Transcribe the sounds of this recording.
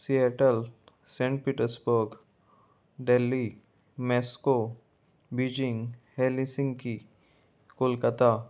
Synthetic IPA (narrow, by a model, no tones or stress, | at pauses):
sieʈəl | sẽːɳʈ̚piːʈəɾsbəɾɡ | ɖelːi | mɛːsko | bid͡ʒɪ̃ŋɡheːlisɪ̃ŋɡki | kʊlkət̪a